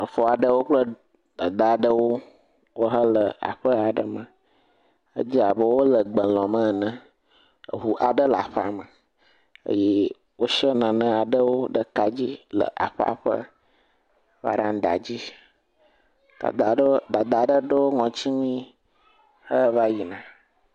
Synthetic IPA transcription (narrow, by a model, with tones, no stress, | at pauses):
ə˨fɔ˨a˨ɖə˦wo˦k͡plə˦ | d̪a˨d̪a˨ɖə˦wo˦ | wo˦ɦə˦lə˨a̰˨ɸə˦a˨ɖə˨mə̃˨ | ə̰˦d͡ʑi˦a˨bə˦wo˦lə˨ɡ͡bə˨lɔ̃˨mə̃˦˨nə̃˦˨ | ɦu˨ʔa˨ɖə˦la˨ɸa̰˨mə˨ | ə̰˦je˦ | wo˦ʃə˦nã˨nə̃˦a˨ɖə˦wo˦ɖə˨ka˨d͡ʑi˦lə̰˨ʔa̰˨ɸa̰˦˨ɸə̰˦ | va̰˦ɖã˦n˦d̪a̰˨d͡ʑi˦ | a̰˨d̪a˨ɖd̪a˨d̪a˨ɖə˦ɖə˦wo˦ŋɔ̃˨t͡ɕi˦mĩ˦ | hə˦va˦ji˨nã˨